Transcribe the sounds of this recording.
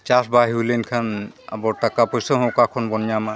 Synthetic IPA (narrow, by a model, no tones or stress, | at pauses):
t͡ʃasbaɦiulenkʰana̰bɔɹtakapɔjsɔɦɔ̃kakʰɔnbɔnjama